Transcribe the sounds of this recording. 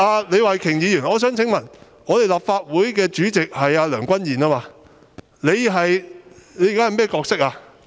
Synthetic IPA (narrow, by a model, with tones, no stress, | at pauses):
aː˧le˨˧jwaː˨˩kʰɪ˨˩ŋjiː˨˧jyː˨˩nɔː˨˧s̬œː˨˥ŋt͡sʰɪ˨˥ŋmɐ˨˩n | ŋɔː˨˧t̪e˨jlaː˨˩p̚faː˧t̚wuː˨˥jkɛː˧t͡ʃyː˨˥t͡sɪ˨k̚hɐ˨jaː˧lœː˨˩ŋkʷɐ˥njiː˨˩naː˥maː˧ | le˨˧jɦɐ˨jle˨˧jkaː˦˥hjmɛː˥kɔː˧k̚sɪ˥k̚aː˧